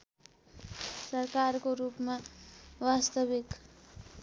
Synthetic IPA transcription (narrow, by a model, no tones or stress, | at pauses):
sʌrkarkoɾupmawast̪ʌbik